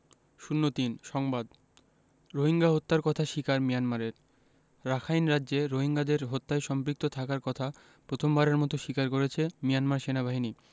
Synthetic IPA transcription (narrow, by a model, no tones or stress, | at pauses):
ʃunːot̪inʃɔŋbad̪ | ɾoɦiŋɡaɦot̪ːaɾkɔt̪ʰaʃikaɾmijanmaɾeɾ | ɾakʰajnɾadːʑeɾoɦiŋɡad̪eɾɦot̪ːaeʃɔmpɾik̚t̪ot̪ʰakaɾkɔt̪ʰa | pɾot̪ʰombaɾeɾmɔt̪oʃikaɾkoɾet͡ɕʰemijanmaɾʃenabaɦini